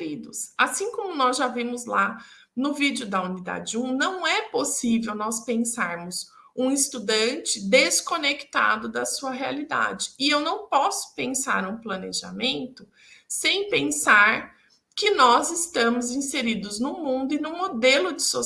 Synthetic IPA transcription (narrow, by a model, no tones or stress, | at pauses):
ɾid̪ʊsasĩkõmʊnɔzʒavĩmʊzla | nʊvid͡ʒʊd̪ɐunid̪a̰d͡ʒɪũnɐ̃w̃ɛposivewnɔspẽsaɾmʊz | ũɪst̪ud̪ɐ̃nt͡ʃɪd̪eskonekt̪a̰d̪ʊd̪ɐsuɐɦea̰lid̪a̰d͡ʒɪːewnɐ̃w̃pɔsʊ̥pẽsa̰ɾũplɐneʒa̰mẽnt̪ʊ | sẽj̃pẽsaɾ | kɪnɔzɪst̪ɐ̃mʊzĩseɾid̪ʊznʊmũnd̪ʊɪnʊ̃mod̪elʊd͡ʒɪso